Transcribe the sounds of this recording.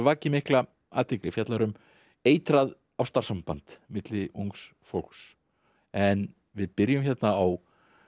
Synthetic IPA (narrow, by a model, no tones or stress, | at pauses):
vaːcɪmɪhkla | a̰ːt̪ʰɪkɾɪfjat̪laɾʏm | eːjt̪ɾað | awst̪aɾ̥sampant̪mɪt̪lɪʔuŋks | fowl̥ks | ɛn | vɪðpɪɾjʏmçɛt̪naaw